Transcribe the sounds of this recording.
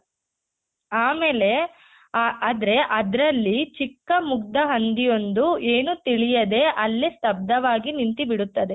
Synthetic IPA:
aːmeːle̞ | aːd̪ɾe̞ʔɐd̪ɾɐlːit͡ʃikːɐmuɡd̪ɐɦɐnd̪ijo̞nd̪ue̞ːnut̪iɭijɐd̪e̞ʔɐlːislɐb̚d̪ɐʋaːɡinint̪ibiɽut̪ːɐd̪e̞

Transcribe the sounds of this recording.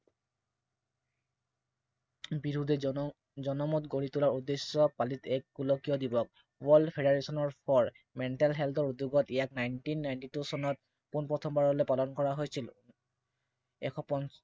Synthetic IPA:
biɹudʱɛ | zɔnɔmɔtɡoɹitulaɹudːesːɔpalitɛkːulɔkijɔdibɔk̚ | wɔlpʰeɾeɹesɔnɔɹpʰɔɹ | mɛntalɦɛltʰɔɹuduɡɔtijaknajntinːajntitusɔnɔt̚ | kunpɹɔtʰɔmbaɹɔlojpalɔnkɔɹaɦojsil | ɛkʰɔpɔn

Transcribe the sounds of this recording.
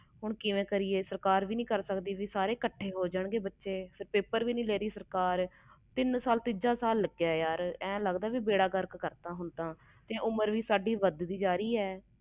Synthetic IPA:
ɦʊɳkɪʋẽːkəɾiːeːsəɾkaːɾʋiːnĩːkəɾsəkd̪iːʋiːsaːɾeːkəʈʰːeːɦoːd͡ʒəɳɡeːbətːʃeːsɪɾpeːpəɾʋiːnĩːleːɾiːsəɾkaːɾ | t̪ɪnsaːlt̪ɪd͡ʒaːsaːlːəɡjaːjaːɾɛ̃ːləɡd̪aːɛːʋiːbeːɽaːɡəɾkkəɾt̪aːɦʊnt̪aː | t̪ẽːʔʊməɾʋiːsaːɖiːʋəd̪d̪iːd͡ʒaːɾiːɛː

